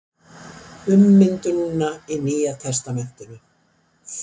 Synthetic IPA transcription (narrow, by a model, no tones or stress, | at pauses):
ʏmːɪnt̪ʏnunːaɪniːjat̪ʰɛst̪amɛn̥t̪ɪnʏ